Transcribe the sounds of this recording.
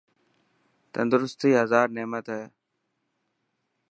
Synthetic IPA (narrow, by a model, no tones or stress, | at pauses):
t̪ənd̪ʊɾʊst̪iːɦəzaːɾneːmət̪ɦɛː